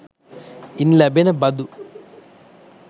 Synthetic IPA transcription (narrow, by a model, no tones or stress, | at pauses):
inlɐbenɐbɐd̪u